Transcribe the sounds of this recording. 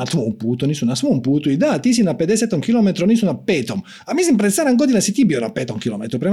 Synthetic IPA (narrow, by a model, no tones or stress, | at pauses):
at̪ːmɔmput̪unisunasmɔmput̪uid̪at̪is̬inapːɛd̪ɛsɛt̪ːɔŋkilɔmet̪ɾɔnisunapːɛt̪ɔm | amːisimpɾɛsaɾaŋɡɔd̪ilasit̪ibjɔɾa̰pːɛt̪ɔŋkilɔ̰mɛt̪ɾɔpɾɛ